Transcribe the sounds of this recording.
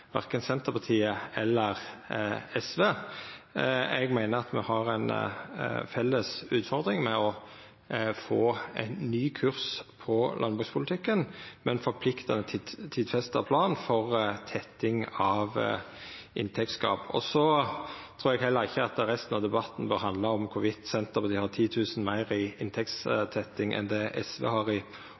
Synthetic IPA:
ʋæ̰ʁkənsɛnt̪əpɑt̪ʰiːəɛlːəʁ | ɛsʋeː | ɛɡmæɪnəɾɑt̪mɛ̰hɑʁɛɪn | fɛlːəsʉːt̪fɔʁd̪ɾɪŋmɛɔ | foːæ̰ɪnːyːkʰʉʁspʰɔlʔɑnbʁʉːɡspʰʊlɪt̪ʰɪkːənmɛnfɔpʰlɪkt̪ɑnət̪ʰt̪ʰiːd̪fɛst̪əpʰlɑːnfɔʁt̪ʰɛt̪ːɪŋɑʋ | ʔɪnt̪ʰɛk̚t̪skɑ̰ːpɔ̰sɔt̪ʰɾuːɾɛɡɦɛlːəɾɪçːəɑt̪əɾɛst̪n̩ɑʋd̪ɛbɑt̪n̩bøːɾɦɑnd̪lɑɔmkʰʊʋɪt̪sɛnt̪əpɔd̪ɪhɑʁt̪ʰiːt̪ʰʉːsən̩mæɪɾɪɪnt̪ʰɛk̚t̪st̪ʰɛt̪ːɪŋʔɛ̰nd̪ɛʔɛsʋɛ̰ːhɑʁɪ

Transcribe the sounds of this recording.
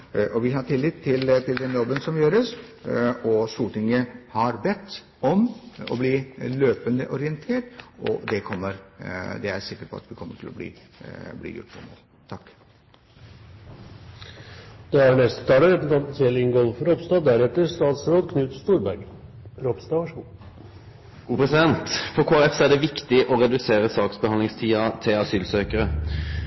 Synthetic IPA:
ʔɔʋɪhɑʈɪlːɪt̪ʰːɪlt̪ʰɪld̪ɛnjɔbːənsɔmjøːɾəs | ɔst̪uːʈɪŋːəhɑɾbɛt̪ː | ɔmɔ̰bliːløːpənd̪əʔɔɾɪənt̪ʰeːʈɔ̰d̪ɛkʰɔmːəɾd̪ɛæɾsɪkːəʈpʰɔ̰ɑ̰t̪ʋɪkʰɔmːəʈʰɪlɔ̰blḭː | blḭːjʊ̰ʈːṵːmo̰ːl | t̪ʰɑkː | d̪̥ɑːæɳɛst̪ə̥t̪ʰɑːləɾɛpn̩t̪ʰɑnt̪n̩sɛlɪŋɡɔlfɾɔpst̪ɑːd̪æɾɛt̪ːəɾst̪ɑːt̪sɾoːd̪kʰnʉːt̪st̪uːɾbæɾɡ | ɾɔpst̪ɑːʋɑʂuː | ɡ̥uːpɾɛsɪd̪ɛnt̪fɔɾkʰoːæɾɛfsæɖɛʋɪkt̪ɪʔɔɾɛd̪ʉseːɾəsɑːksbəɑnɪŋst̪ʰiːɑt̪ʰɪlɑsyːlsøːkəɾə

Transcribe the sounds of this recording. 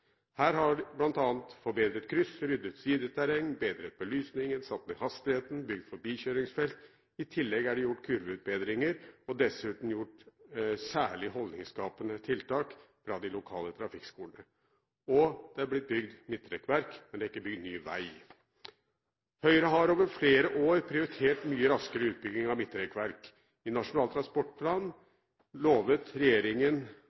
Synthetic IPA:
hæːɾɦɑblɑnt̪ɑːnt̪fɔɾbeːd̪ɾət̪kʰɾʏsəɾʏd̪ːət̪siːd̪ət̪ʰæɾɛŋnbeːd̪ɾət̪̚bɔlyːsnɪŋənsɑt̪ːmɛhɑst̪ɪheːt̪n̩bʏɡ̚d̪fɔɾbiːçøːɾɪŋsfɛlt̪ | ɪt̪ʰɪlːɛɡæɖɪjʊʈːkʰʉɾʋəʉːt̪̚beːd̪ɾɪŋəɾɔd̪ɛsʉːt̪n̩jʊʈsæːɭɪhɔld̪nɪŋskɑːpənət̪ʰɪlt̪ʰɑːkfɾɑd̪ɪlʊkʰɑːlət̪ʰɾɑfɪkskuːlənə | ɔd̪̥ɛæɾblɪt̪̚bʏɡd̪mɪt̪ːɾɛkʋæɾkmɛnd̪ɛɪkːəbʏɡd̪nyːʋæ̰ɪ | hœʏɾəɦɑɾoːʋəɾfleːɾəʔoːɾpʰɾɪʊɾɪt̪ʰeːʈmyːəɾɑskəɾəʉːt̪̚bʏɡnɪŋɑʋmɪt̪ːɾɛkʋæɾk | ɪnɑʂʊnɑːlt̪ɾɑnspɔʈːpʰlɑːn | loːʋət̪ɾɛjeːɾɪŋən

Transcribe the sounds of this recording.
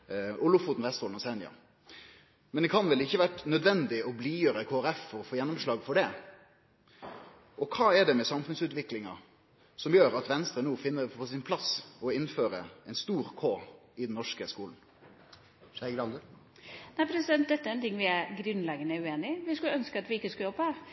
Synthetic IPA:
ʔʊlʊfuːt̪n̩ʋɛst̪hoːlnɔsɛnɪɑ̰ | mɛnd̪ɛkʰɑnʋɛlɪçːəʋæʈnœd̪ʋɛnd̪ɪɔbliːjøːɾəkʰoːæɾɛfːɔɾɔfoːjɛnːɔmʂlɑːɡfɔɖɛ | ʔɔkʰɑːɛɖɛmɛsɑmfʉnsʉːt̪ʋɪklɪŋɑ̰ | sɔmjøːɾɑt̪ʋɛnst̪ɾənuːfɪnːəpʰɔsɪnpʰlɑsɔɪnføːɾə̰ɛnst̪uːɾkʰoːɪd̪n̩ːɔʂkəskuːln̩ | æɡɾɑnd̪ə | næɪpʰɾɛsɪd̪ɛnt̪̚d̪ɛt̪ːəæɾɛnt̪ʰɪŋːʋɪæɾɡɾʉnlɛɡənəʉeːnɪʋɪskʉlœnskəɑt̪ʋɪɪkːəskljɔb̚pəhæɾ

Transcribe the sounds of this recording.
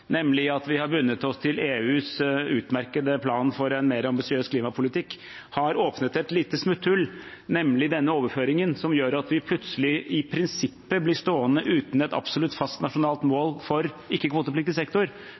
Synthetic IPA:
nɛmːlɪɑt̪ʋɪhɑɾbʉnːət̪ɔst̪ʰɪleːʉːsʉːt̪mæɾkəd̪əpʰlɑːnfɔɾɛnmeːɾɑmbɪsɪøːskʰliːmɑpʰʊlɪt̪ʰɪkː | hɑɾoːpnət̪ɛt̪liːt̪əsmʉt̪ʰːʉlnɛmlɪd̪ɛnːəoːʋəɾføːɾɪŋənsɔmjøːɾɑt̪ʋɪpʰlʉt̪səlɪɪpʰɾɪnsɪpːəblɪʂt̪oːənəʔʉːt̪n̩ɛt̪ɑ̰bsɔlʉt̪ːfɑst̪nɑʂʊnɑːlt̪moːlfɔɾ | ɪkːəkʰʋoːt̪əplɪk̚t̪ɪsɛkt̪ʊɾ

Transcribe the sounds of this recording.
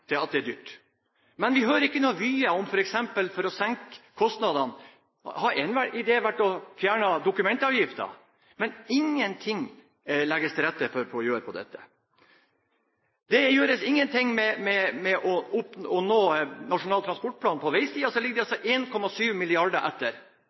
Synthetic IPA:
ɪɑt̪̚d̪ɛæɖ̪yːʈ | mɛnʋɪɦøːɾəɾɪkːənuːʋyːəɔmfɔɾɛksɛmpəlfɔɾɔsɛŋkʰːɔst̪nɑd̪ɑn | hɑɾɛnʋæɪd̪eːʋæʈːɔfjæːɳəd̪ʊkʉmɛnt̪ɑʋjɪft̪ə̰ | mɛnɪŋːənt̪ʰɪŋː | lɛɡəst̪ʰɪlɾɛt̪ːəfɔɾpʰɔɔjøːɾəpʰɔd̪ɛ̰t̪ːə̥ | d̪ɛjøːɾəsɪŋːənt̪ʰɪŋmɛmɛmɛʔɔʊpɔnoːnɑʂʊnɑːlt̪ʰɾɑnspɔʈ̚pʰlɑːnpʰɔʋæɪsiːɑsɔlɪɡəd̪ɛɑsɔʔeːnkʰɔmɑsyːʋmɪlɪɑɖəʔɛ̰t̪ːəɾ

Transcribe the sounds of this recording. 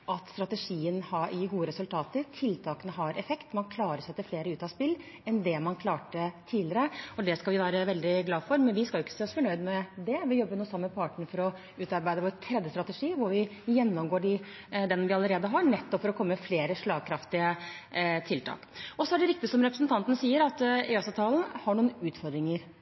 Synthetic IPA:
ʔɑt̪st̪ɾɑt̪ɛʂiːənhɑʔɪɡuːəɾɛsʉlt̪ʰɑːt̪əɾt̪ʰɪlt̪ʰɑːkənəɦɑɾʔɛfɛkt̪mɑnkʰlɑːɾəʂsɛt̪ːəfleːɾəʉːt̪ɑspɪlː | ɛnd̪ɛmɑnkʰlɑːʈət̪ʰiːlɪəɾəɔd̪ɛskɑlʋɪʋæːɾəʋɛld̪ɪɡlɑːfɔɾmɛnʋɪskɑlʊɪkːə̥seːɔsfɔɳœʏd̪mɛd̪ɛʋɪjɔbːəɾnuːsɑmːəpʰɑːʈɳfɔɾɔ | ʉːt̪ɑɾbæɪd̪əʋɔɛt̪ʰɾɛd̪ːəst̪ɾɑt̪əʂiːʋʊɾʋɪjɛnːɔmɡoːɖɪ | d̪ɛnʋɪɑləɾeːd̪əɦɑɾɳɛt̪ːɔpfɔɾɔkʰɔmːəfleːɾəʂɭɑːɡ̚kʰɾɑft̪ɪə | t̪ʰɪlt̪ʰɑ̰ːkɔsɔæɖɛɾɪk̚t̪ɪsɔmɾɛpɾəsnt̪ʰɑnt̪ən̩siːəɾɑt̪ɛɑsɑːt̪ʰɑːln̩hɑɳuːənʉːt̪fɔɾd̪ɾɪŋəɾ

